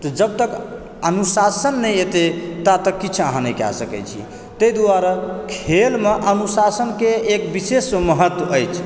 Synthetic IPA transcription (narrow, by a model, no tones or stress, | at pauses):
t̪ɔd͡ʒəb̚t̪ək | ənusasənːəjet̪et̪at̪əkːit͡ʃʰa̰ɦãnəjka̰səkɛ̰t͡ʃʰḭ | t̪əjd̪uwaɾəkʰelmeʔənusasənkeːkbisesməɦət̪wəəjt͡ʃʰ